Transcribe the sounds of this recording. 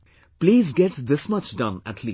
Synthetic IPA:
pliːzɡɛʈd̪ɪsmʌt͡ʃdʌ̃næ̰ʈʰlḭ

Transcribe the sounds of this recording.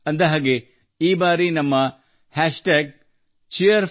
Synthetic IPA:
ɐnd̪ɐɦaːɡe | iːbaːɾinɐmːɐ | hæːʂʈeːɡ̚ | t͡ʃijɐɾ

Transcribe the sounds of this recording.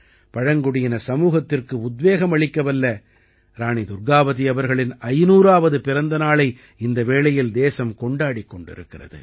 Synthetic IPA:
pɐɻɐŋɡʊɽɪjɐnɐsɐmuːɣɐt̪ːɪrkɯʊd̪ʋeːɣɐmɐɭɪkːɐʋɐlːɐ | ɾaːɳid̪ʊɾɡaːʋɐðiɐʋɐɾɣɐɭɪnɐɪnuːɾaːʋɐðɯpɪɾɐnd̪ɐnaːɭɐɪ | ɪnd̪ɐʋeːɭɐjɪld̪eːsɐmkɔɳɖaːɽikːɔɳɖɪ̰ɾɯ̰kːɪrɐ̰ðɯ̰

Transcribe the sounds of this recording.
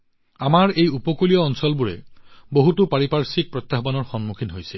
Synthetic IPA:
amaɹejupɔkulijɔːnsɔlbuɹɛ̰boɦutupaɹipaɹsik̚pɹɔt̪ːaɦbanɔɹxɔnmukʰinɦojsɛ

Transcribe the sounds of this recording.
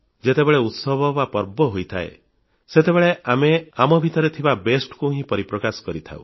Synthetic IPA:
d͡ʒet̪ebeɭeut̪sɔbʱɔbapɔɾbɔɦojt̪ʰa̰ḛ | set̪ebeɭeameamɔbʱit̪ɔɾet̪ʰibabesʈkuɦĩpɔɾipɾɔkasɔ̥kɔɾit̪ʰa̰ṵ̃

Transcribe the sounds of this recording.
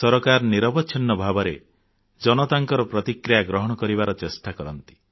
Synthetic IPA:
sɔɾɔkaɾɔniɾɔbɔtːt͡ʃʰinːɔbʱabɔɾḛ | d͡ʒɔnɔt̪aŋkɔɾɔpɾɔt̪ikɾijaɡɾɔɦɔɽ̃ɔkɔɾibaɾɔt͡ʃesʈakɔɾɔnt̪i̥

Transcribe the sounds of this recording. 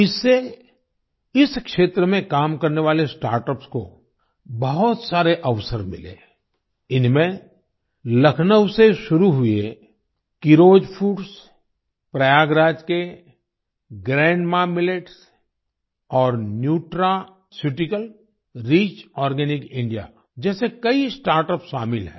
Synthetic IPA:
ɪsːe | ɪskʃeːt̪ɾəmẽkaːmkɐɾneʋaːlesʈa̰ːɾʈəpsko̰ | bəɦʊt̪saːɾeʔɐʋsəɾmɪ̰lḛː | ɪnmẽ | lɐkʰnəwseʃʊɾuɦʊe | kiɾoːd͡ʒpʰuːɾs | pɾɐjaːɡɾaːd͡ʒke | ɡɾɛ̃ːɳɖmaːmɪleʈs | ɔːɾnjuːʈɾa | sjuʈɪkəl | ɾiːt͡ʃɔːɾɡɛːnɪkɪ̃ɳɖija̰ | d͡ʒɛːsekɐisʈaːɾʈəpsʃaːmɪlɦɛ̰̃ː

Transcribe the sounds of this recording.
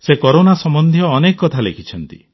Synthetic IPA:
sekɔɾonasɔmɔnd̪ʱjɔːnekɔkɔt̪ʰalekʰit͡ʃʰɔnt̪i

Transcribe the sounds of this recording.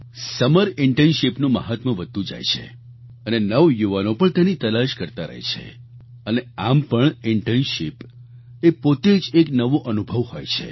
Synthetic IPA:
səməɾɪɳʈenʃipnũməɦat̪mə̃ʋəd̪ʱũd͡ʒa̰jt͡ʃʰḛ | ənenəʋjuʋanopəɳt̪enit̪əlaʃkəɾt̪aɾə̰ɦḛt͡ʃʰḛ | əneampəɳɪɳʈenʃip | epot̪ed͡ʒeknəʋoʔənubʱəʋhojt͡ʃʰḛ

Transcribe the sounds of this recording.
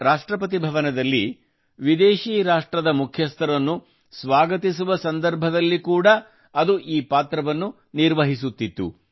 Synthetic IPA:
ɾaːʂʈɾɐpɐt̪̬ibʱɐʋɐnɐd̪ɐlːi | ʋid̪eːʃiːɾaːʂʈɾɐd̪ɐmukʰjɐst̪ʰɐɾɐnːu | sʋaːɡɐt̪isuʋɐsɐnd̪ɐɾbʱɐd̪ɐlːikuːɽɐ | ɐd̪uʔiːpaːt̪ɾɐʋɐnːu | niɾʋɐɦis̬ut̪ːit̪ːṵ

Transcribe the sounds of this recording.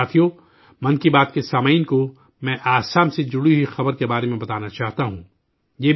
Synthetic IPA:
aːt̪ʰijo | mɐ̃nkibaːt̪kesaːmainko | mɛ̃ʔaːsaːmsed͡ʒʊɽiɦixɐbəɾkebaːɾemẽbɐt̪aːnat͡ʃaːɦt̪aɦũː | jeː

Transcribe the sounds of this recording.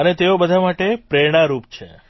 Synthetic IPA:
ənet̪eobəd̪ʱamaʈepɾeɽ̃aɾupt͡ʃʰḛ

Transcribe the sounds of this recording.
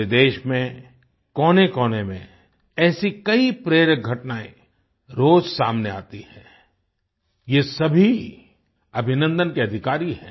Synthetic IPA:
ed̪eːʃmẽ | kɔːnekɔːnemḛ̃ | ɛːsikɐipɾeːɾək̚ɡʱɐʈnaːẽ | ɾoːd͡ʒsaːmnea̰ːt̪ihɛ̃ː | jesɐbʱi | ɐbʱɪnə̃nd̪ənkeɐd̪ʱɪkaːɾiɦɛ̰̃ː

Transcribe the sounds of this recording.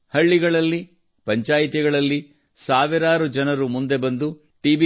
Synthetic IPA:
hɐɭːiɡɐɭɐlːi | pɐɲt͡ʃaːjit̪̬iɡɐɭɐlːi | saːʋiɾaːɾud͡ʒɐnɐɾumund̪e̞bɐnd̪u | ʈiːb

